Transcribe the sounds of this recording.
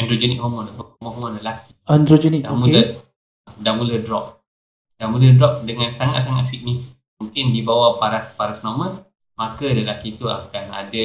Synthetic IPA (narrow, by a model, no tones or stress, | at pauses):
ɛndɾod͡ʒɛnik̚hɔmɔnləhmɔ̃ɦmɔ̃nləlakʰi̥andɾod͡ʒɛnikdamulə | damulədɾɔp̚ | damulədɾɔp̚dəŋansaŋa̰t̪̚saŋat̪̚sik̚nifik̚muŋkɪndibawapaɾaspaɾasnɔmən | makələlakit̪ua̰kana̰da